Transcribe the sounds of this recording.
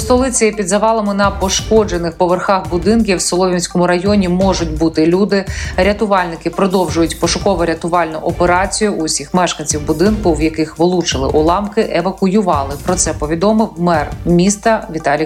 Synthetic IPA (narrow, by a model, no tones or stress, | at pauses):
st̪ɔlˠɪt͡sʲɐipʲid̪zɐʋɑlˠɐmɪnɐpɔʃkɔd͡ʒenɪxpɔʋerxɑxbʊd̪ɪnk̬ʲiwsɔlˠɔʋʲinʲsʲkɔmʊɾɐjɔnʲimɔʒʊtʲbut̪ɪlʲud̪ɪɾʲɐt̪ʊʋɑlʲnɪkɪpɾɔd̪ɔwʒʊjʊtʲpɔʃʊkɔʋɔɾʲɐt̪ʊʋɑlʲnʊʔɔpeɾɑt͡sʲijʊʔʊsʲixmɛʃkɐnʲt͡sʲiwbʊd̪ɪnkʊwjɐkɪxʋɔlˠut͡ʃɪlˠɪ̰ʔʊlˠɑmkɪʔeʋɐkʊjʊʋɑlˠɪpɾɔt̪sɛpɔʋʲid̪ɔmɪwmɛrmʲist̪ɐʋʲit̪ɑlʲi